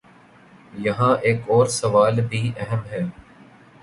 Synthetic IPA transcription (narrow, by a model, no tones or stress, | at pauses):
jɐɦãːʔeːkɔːɾsɐʋaːlbʱiːʔɛɦəmɦɛː